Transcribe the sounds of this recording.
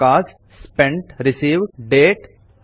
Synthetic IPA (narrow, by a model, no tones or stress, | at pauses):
aːsʈspɛ̃ɳʈɾɪsiːʋɖɖeːʈ